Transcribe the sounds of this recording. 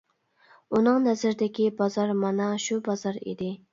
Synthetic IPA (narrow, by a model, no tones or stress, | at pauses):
unɨŋnɛzɪɾd̪ɪkʲibɑzɑɾmɑnɑʃubɑzɑɾḭd̪ɪ